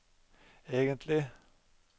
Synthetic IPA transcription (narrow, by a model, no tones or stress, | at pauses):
eːɡənt̪ʰlɪ